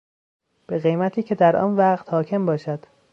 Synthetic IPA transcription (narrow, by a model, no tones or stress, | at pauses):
b̥e̞ɣe̞jmæt̪ʰiːcʰe̞d̪æɾʔɒ̰ːnvæɢt̪hɒːcʰe̞mbɒːʃæd̪̥